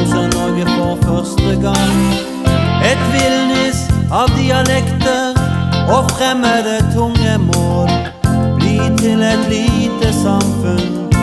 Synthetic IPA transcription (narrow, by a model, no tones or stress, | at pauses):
səʁnoɡəfɔʁfœst̪əɡaŋ | ɛt̪vɪlnɪsɑvd̪ɪalɛkt̪əɾɔfɾɛmːəd̪ət̪ʰʊŋːəmoːl | bliːt̪ʰɪlɛt̪liːt̪əsamfʉn